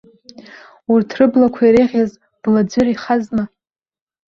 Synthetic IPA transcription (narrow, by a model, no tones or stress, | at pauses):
urtʰrɨblakʷʰaiɾeʁʲaz | d̥lad͡ʒʷʏriχazna